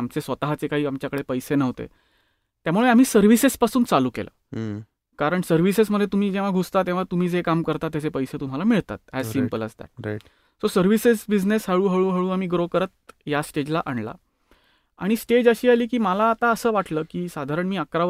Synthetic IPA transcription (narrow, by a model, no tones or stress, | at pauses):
amt͡sesʋət̪aɦat͡sekaɦiːamt͡ɕjakəɽɭepəjsenəʋt̪ḛ | t̪jamuɭeam̤iːsəɾʋisespasuːnt͡saluːkḛlʔə̰ | kaɾəɳsəɾʋisesməd̪ʱjet̪um̤iːd͡ʑeʋ̤aɡʱust̪at̪ẽʋ̤at̪um̤iːd͡zekamkəɾt̪at̪jat͡sepəjset̪um̤alamiɭt̪a̰t̪ɦasimpələ̰st̪a̰j | sosəɾʋised͡zbid͡znesɦəɭuːɦəɭuːɦəɭuːam̤iːɡɾokəɾət̪̚jasʈed͡ʑlaʔaɳla̰ | a̰ɽ̃isʈed͡ʑəɕiːaliːkiːməlaːt̪aəsəːʋaʈləːkiːsad̪ʱaɾəɳmiːəkɾa